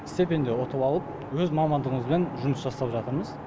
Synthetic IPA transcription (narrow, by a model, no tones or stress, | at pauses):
ɪst̪e̞pe̞nd̪e̞wot̪əpɑlˠəp̚ | wɵzmɑmɑnd̪əʁəɴəzbe̞nʒʊməsʒɑst̪ɑpʒɑt̪əɾməz